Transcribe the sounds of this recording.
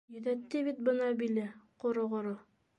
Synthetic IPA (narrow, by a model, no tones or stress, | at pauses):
jɵ̆ðæt̪ːɘβit̪̚bɤ̆nɑbilɘqŏɾoʁŏɾo